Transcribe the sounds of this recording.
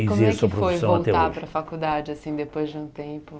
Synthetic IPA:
ikoiɾɐɛsuɐpɾofojfsɐ̃vow̃ɐlt̪ɛaoʒpɾɐfakud̪ad͡ʒɪasĩd̪epojzd͡ʒɪũt̪ẽpʊ

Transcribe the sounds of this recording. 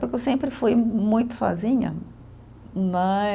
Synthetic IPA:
pʊɾkewsẽmpɾɪfujmũj̃t̪ʊ̥sɔ̰zĩɲɐ̰ | nɐ̃

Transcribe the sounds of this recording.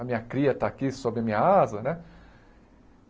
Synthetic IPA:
ɐmĩɲɐkɾiɐt̪aːkisobɾɪɐmĩɲɐazɐnɛ

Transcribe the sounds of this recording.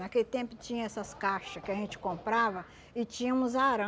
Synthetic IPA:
nakelɪt̪ẽmpʊt͡ʃĩɲɐ̃ɛsɐskaʃɐskɪɐʒẽnt͡ʃɪ̥kõmpɾavɐ | ɪt͡ʃĩɲɐ̃ũzaɾɐ̃

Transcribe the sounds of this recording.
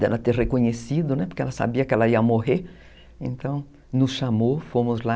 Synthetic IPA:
d̪ɛlɐt̪erekoɲesid̪ʊnɛpoɾkeɛlɐsa̰biɐkɛlɐiɐmoɦeɾ | ẽnt̪ɐ̃w̃ | nʊsʃamofomʊzla

